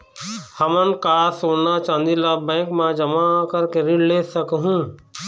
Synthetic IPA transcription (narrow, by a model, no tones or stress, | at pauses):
həmənkaːsoːɽnat͡ʃãːnd̪ilaːbɛ̃ːkmãd͡ʒəmakəɾkeɾiɽleːsəkɦũː